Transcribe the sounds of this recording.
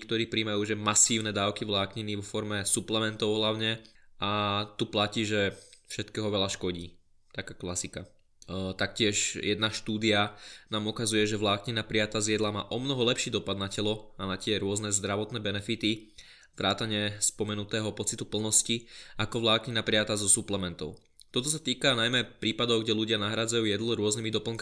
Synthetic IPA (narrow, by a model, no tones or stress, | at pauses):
k̚t̪ɔɾiːpɾiːmajuːʒɛmasiːʊnɛd̪aːʊkiʋlaːkɲiniʋɔfɔɾmɛsuplɛmɛnt̪ɔʊɦlaʊɲɛat̪uplaciːʒɛfʃɛt̪kɛːɦɔʋɛlaʃkɔɟiː | t̪akaːklasika | t̪akcɪɛʃjɛd̪naʃt̪uːd̪ianaːmukazujɛʒɛʋlaːkɲinapɾijat̪aːzɪɛd̪lama̰ːʔɔmnɔɦɔlɛpʃiːd̪ɔpad̪nacɛlɔanacɪɛɾʊɔznɛzd̪ɾaʋɔt̪nɛːbɛnɛfit̪i | ʋɾaːt̪aɲɪɛspɔmɛnut̪ɛːɦɔpɔt͡sit̪upl̩nɔsciakɔʋlaːkɲinapɾɪat̪aːzɔsuplɛmɛnt̪ɔ̰ʊ | t̪ɔt̪ɔs̬at̪iːkanajmɛpɾiːpad̪ɔʊɡɟɛluɟɪanaɦɾad͡zajuːjɛd̪lɔɾʊɔznimid̪ɔpl̩ŋk